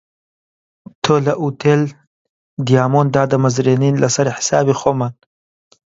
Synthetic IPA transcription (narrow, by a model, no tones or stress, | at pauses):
t̪ʰolaʔut̪ʰel | d̪ijɑːmond̪ɑːd̪əmazɾeninlʔasaɾiħɪ̥sɑ̰ːbixoːmaːn